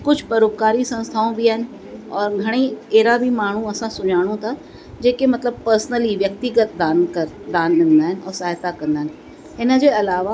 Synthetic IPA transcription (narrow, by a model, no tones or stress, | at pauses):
kʊd͡ʑʱpɐɾoːp̚kaːɾisɐ̃ñst̪ʰaːõbʱiaːɦɪnɪ̆ | ɔːɾɡʱɐɽ̃eeːɾabʱimaːɳ̤ũɐsãsʊɲaːɽ̃õt̪ʰa | d͡ʑeːkemɐt̪ləb̚pəɾsnəliʋjɐk̚t̪ɪɡət̪̚d̪aːnkɐd̪aːnɗɪ̃nd̪aːɦɪn̆ɔːɾsaːɦt̪akɐ̃nd̪aːɦɪnɪ | ɪnəd͡ʑeɐlaːʋa